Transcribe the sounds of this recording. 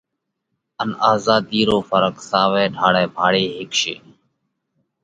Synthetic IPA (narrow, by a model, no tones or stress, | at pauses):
ənaːzaːd̪iːɾoːfəɾəksaːʋɛːɖʱaːɽɛːbʱaːɽeːɦɪkʃḛː